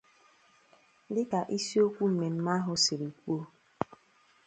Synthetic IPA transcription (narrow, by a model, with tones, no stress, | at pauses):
lɪ˦ka˨ʔi˦si˦o˦kʷu˦m̩˨me˨m̩˦ma˦ɦʊ˨sɪ˨ɾi˨kʷu˦o˦